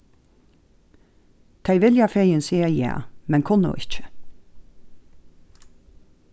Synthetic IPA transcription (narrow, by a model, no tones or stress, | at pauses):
t̪ʰɛɪʋɪljɑːfɛjənsiːəjæ̰ːmɛnkʰʊnʊ̰ʔɪ̰t͡ʃə̥